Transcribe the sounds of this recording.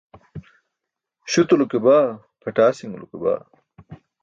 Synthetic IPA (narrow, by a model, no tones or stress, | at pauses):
ɕut̪ulukebaː | pʰɐʈaːsiŋulṵkeba̰ː